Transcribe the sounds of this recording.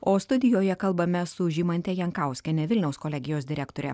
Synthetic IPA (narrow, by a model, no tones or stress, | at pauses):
oːst̪ʊd̪ʲɪjoːjɛkɐlˠbɐmʲɛsʊʒʲiːmɐnʲt̪ʲɛjɛŋkɑˑʊsʲkʲɛnʲɛʋʲɪlʲnʲɛʊskoːlʲæːɡʲɪjoːsd̪ʲɪɾʲækt̪oːɾʲɛ̰